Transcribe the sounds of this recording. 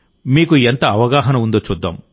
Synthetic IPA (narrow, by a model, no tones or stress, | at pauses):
miːkuent̪ɐɐʋɐɡaːɦɐnɐund̪oːt͡ʃuːd̪ːa̰ːm